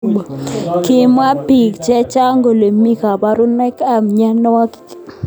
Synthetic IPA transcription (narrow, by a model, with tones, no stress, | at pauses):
ki˨ma˦pi˨kt͡ʃɛ˦t͡ʃa˦ŋɡo˨le˨mi˦ka˨ba˦ɾʊ˦nɛ˦ka˦˨mɲɛ˦nɔ˦wa˦ki̥˦